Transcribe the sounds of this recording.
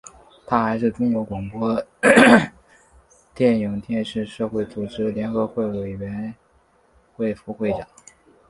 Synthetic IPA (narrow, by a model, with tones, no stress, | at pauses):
t̪ʰa˥xa˧˥ɪʂɻ̩˥˩ʈ͡ʂʊ˥ŋjo˧˥ʊkwɑ˨˩ŋpwɔ˥ | t̪jɛ˥˩ni˨˩ŋt̪jɛ˥˧nʂɻ̩˥˧ʂɤ˥˧xwe˥˩ɪt͡su˨˩ʈ͡ʂɻ̩˥ljɛ˧˥nxɤ˧˥xwe˥˩ɪwe˨˩ɪɥɛ˧˥n | xwe˥˩ɪfu˧˥xwe˥˩ɪt͡ɕjɑ˨˩˦ŋ